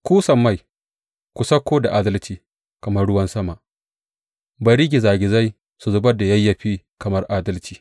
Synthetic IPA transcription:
kʷuː˦sɐ˨mːa˦˨j | kʷu˨sɐ˦kʷːoː˦da˨ʔaː˦dɐ˦lt͡ʃiː˨ | kɐ˨mɐ˦rɽʊ˦wɐ˦nsɐ˦ma˨ʔ | ba˨ɾɪ˦ɡʲi˨zaː˨ɡʲɪ˨za˦j | su˨zʊ˦bɐ˦da˨jɐ˦jːɐ˨ɸiː˦ | kɐ˨mɐ˦rʔaː˦dɐ˦lt͡ʃiː˨

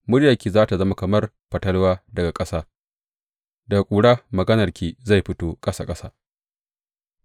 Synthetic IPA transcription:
mʊ˦ɽja˨kʲiː˨zaː˦ta˨zɐ˦ma˨kɐ˨mɐ˦r | ɸɐ˨tɐ˦lwaː˦dɐ˨ɡa˨kʼɐ˦saː˦ | dɐ˨ɡa˨kʷʼuː˨ɽaː˦mɐ˨ɡɐ˦nɐ˨rkʲʰiː˨za˦˨jɸɪ˦toː˦kʼɐ˦sa̰ː˦kʼɐ˦saː˦

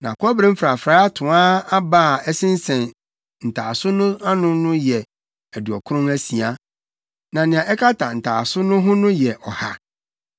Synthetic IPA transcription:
nã˨kʰɔ˦bɾɪ̃˦m̩˦fɾa˨fɾaː˦a˦tʰʊ̃˨ã˦a˦ba˦˨ɛ˦sɪ̃˦n̩˦sɛ̃˨n | n̩˨tʰaː˨sʊ˦nʊ̃˦a˦nʊ̃˦nʊ̃˦jɛ˨ | æ˨du˨ɔ˨kʰʊ˦ɾʊ̃˦næ˦si˨a˦ | nã˨nɪ̃˨ã˨ʔɛ˦kʰa˦tʰa˨n̩˨tʰa̰ː˨sʊ˦nʊ̃˦ɦʊ̃˦nʊ̃˦jɛ˨ʔɔ˨ha̰˦

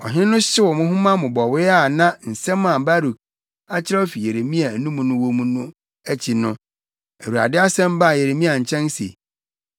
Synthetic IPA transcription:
ɔ̰˨ɦɪ̃˦nʊ̃˦ɕɪ˦wɔ˨mʊ̃˦ɦʊ̃˦mã˦mʊ̃˨bɔ˨wɪ˦a˦˨nã˦n̩˨sɛ̃˦mã˨ba˦ɾu˨ | a˦t͡ɕʰɪ˦ɾa˦ɔ˦fi˨je˨ɾe˨mĩ˦a˨nũ˦mũ˨nʊ̃˦wõ˦mũ˨nʊ̃˦ | æ˦t͡ɕʰi˨nʊ̃˦ | æ˨wu˨ɾa̰˨dɪ˦a˦sɛ̃˦m˦ba˦˨je˨ɾe˨mĩ˦a˨ɲ̩˨t͡ɕʰɛ̃˦nsḛ˨

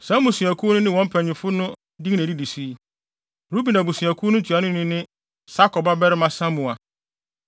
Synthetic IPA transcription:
sã˦mũ˨sɥæ˨kʰu˦nʊ̃˦nɪ̃˦wɔ̃˦m̩˦pʰɛ̃˨ɲɪ̃˨fʊ˦nʊ̃˦ | dĩ˦ŋnæ̃˨di˦di˨si˦ | ɾu˦bi˨nã˨bu˨sɥæ˨kʰu˦nʊ̃˦tʰu˨a˨nʊ̃˦nɪ̃˦nɪ̃˦ | sa˦kɔ˨ba˦bɛ˦ɾɪ˦mã˦sã˦mũ˨a˨

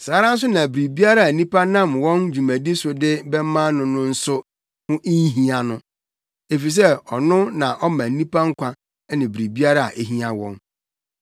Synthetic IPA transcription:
saː˨˦ɾã˦n̩˦s̬ʊ˦nã˨bɾi˨bi˦a˦ɾa˦˨a˨n̩˦nĩ˦pa˦nã˦˨mwɔ̃˦nd͡ʑu˨mæ̃˨di˦sʊ˨dɪ˦bɛ˦mã˦nʊ̃˦nʊ̃˦n̩˦sʊ˦ | hʊ̃˦ʔi˦n˦ɦĩ˦a˨nʊ̃˦ | e˨fi˨s̬ɛ˦ɔ˨nʊ̃˦nã˨ʔɔ˦mã˨n̩˦nĩ˦pa˦ŋ̩˦kʷʰa˦ | nɪ̃˨bɾi˨bi˦a˦ɾa˦˨a̰˨ʔe˦ɦĩ˦a˨wɔ̰̃˨n

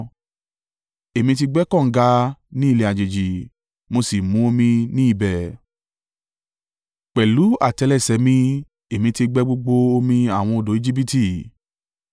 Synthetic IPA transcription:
e˨mĩ˧t̬i˧ɡ͡bɛ˦kɔ̃˦˨˦ɡa˧nĩ˦i˦˧le˧a˨d͡ʒe˨d͡ʒi˨ | mo˧si˨mũ˨˦o˧mĩ˧nĩ˦i˦˨bɛ˨ | k͡pɛ˨lu˨˦a̰˨tɛ˧lɛ˦˨sɛ˨˦mĩ˧ | e˨mĩ˧ti˧ɡ͡bɛ˦ɡ͡bo˧ɡ͡bo˧o˧mĩ˧a˨w̃ɔ̃˧o˧˨do˨˦i˦d͡ʒi˦p̬i˦ti˧˨

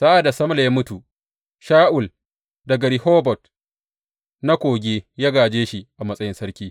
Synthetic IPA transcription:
sa˦ʔa˨da˨sɐ˦m˦la˨jaː˦mʊ˦tu˨ | ʃaː˦ʔʊ˨l | dɐ˨ɡa˨ɾɪ˨hoː˦bɔ˨t | na˦kʷoː˨ɡʲeː˦jaː˦ɡaː˨d͡ʒeː˦ʃi˨ʔa˨mɐ˦sʼɐ˦jɪ˦nsɐ˦ɾkʲiː˦

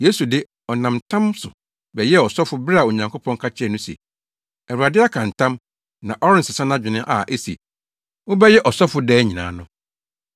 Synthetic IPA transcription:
je˦su˨dɪ˦ | ɔ˨nã˨mtʰã˦msʊ̰˨ | bɛ˨jɛ˦ɔ˨sɔ˦fʊ˦bɾɪ˦a˨o˨ɲã˨ŋkʰo˦pʰɔ̃˦ŋ˦kʰa˦t͡ɕʰɪ˦ɛ˦˨nʊ̃˦sḛ˨ | ɛ˨ɾu˨a˨dɪ˦a˦kʰã˨n˨tʰã˦m | nã˨ʔɔ˦ɾɪ̃˦n˨sɪ˨sã˦nã˦d͡ʑᶣɪ˨nɪ̃˦ʔa˨ʔe˦si˨ḛ˨ | wʊ˦bɛ˦jɛ˦ʔɔ˨sɔ˦fʊ˦dɛː˦ɲĩ˨nã̰ː˨˦nʊ̃˦

